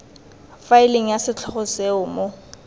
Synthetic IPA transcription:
faɪleŋ̩jasɪt͡ɬʰɔχʊseʊmo

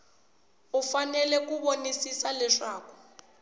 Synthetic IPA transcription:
ufanɛlɛk̬uɓonisisalɛʂaːku̥

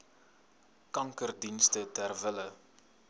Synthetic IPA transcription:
kɐŋkərdinstətærvələ

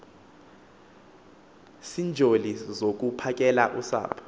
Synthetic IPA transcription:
sind͡ʒʱolizok̬upʰak̬ʼɛlaʔusa̰ːpʰɔ̥

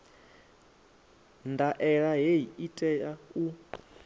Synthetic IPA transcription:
ndaʔɛɺaɦeɦiitʼɛjau

